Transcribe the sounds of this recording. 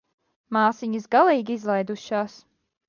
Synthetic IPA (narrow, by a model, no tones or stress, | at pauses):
maːsiɲisɡalˠiːɡʲiizlˠajd̪uʃaːs